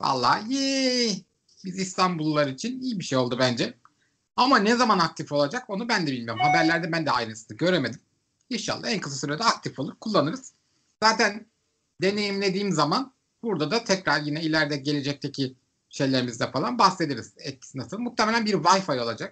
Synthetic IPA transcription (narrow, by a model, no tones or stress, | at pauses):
va̰lˠːa̰hje | bizist̪ʰanbulˠːaɾɯit͡ʃʰinijibiʃejo̞lˠd̪ubænd͡ʒɛ | amanɛzamanak̚t̪ʰifo̞lˠad͡ʒako̞nubænd̪ɛbilʲmijo̞ɾumhabæɾlʲæɾd̪ɛbænd̪ɛajɾɯnsɯnɯɟø̞ɾemed̪im | inʃa̰lˠːa̰ænkʰɯsɯsyɾɛd̪ɛak̚t̪ʰifolˠuɾkʰulˠːanɯɾɯz̥ | zaːt̪ʰæn | d̪e̞ne̞jimlʲe̞d̪iːmzaman | buɾd̪ad̪at̪ʰɛcɾaɾjinɛilʲæɾd̪ɛɟe̞lʲe̞d͡ʒɛc̚t̪ʰe̞cʰi | ʃe̞jlʲeɾimizd̪ɛfalˠanbahse̞d̪eɾiz̥ɛt̪̚cʰi̥sinasɯlˠmukt̪ʰːemelʲænbiɾvajfajo̞lˠad͡ʒak̚